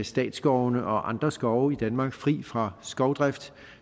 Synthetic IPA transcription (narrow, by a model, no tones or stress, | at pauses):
sd̥ɛ̰ːd̥sɡ̥ɒʊnəʔɒ̽ʔɑ̈nd̥ʁɐsɡ̥ɒʊid̥ænmɑ̈ːɡ̥fʁḭːfʁɑ̈sɡ̥ɒʊd̥ʁɛfd̥